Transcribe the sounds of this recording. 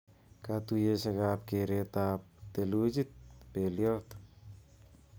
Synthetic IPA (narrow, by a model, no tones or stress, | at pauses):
kat̪ujeseɡap̚keɾet̪ap̚t̪elud͡ʒit̪̚peliolt̪